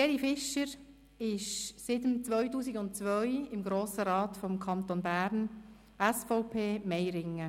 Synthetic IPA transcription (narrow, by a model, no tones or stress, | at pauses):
eːɾifɪʃəɾ | ɪʃsɪtəmt͡sʋœɥtuːsiɡʊntt͡sʋœʏɪmɡɾoːsəɾɑːtfɔmkʰɑnt̪onbæːɾn | ɛsfɔʊpʰeːmɛjɾɪŋə